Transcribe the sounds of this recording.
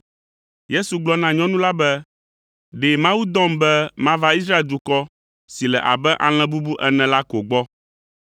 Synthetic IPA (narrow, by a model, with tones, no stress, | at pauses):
je˦su˨ɡ͡blɔ˦nã˦ɲɔ̃˦nũ˦la˦bɛ˦ | ɖe˨mã˦wu˦d̪ɔ̃˦mbɛ˦mã˦va˦i˦s̬ɾa˦e˨ld̪u˨kɔ˦ | si˨lɛ˨ʔa̰˨bɛ˦ʔa˨l̃ɛ̃˨bu˦bu˦ʔɛ˦nɛ̃˨la˦ko˨ɡ͡bɔ˦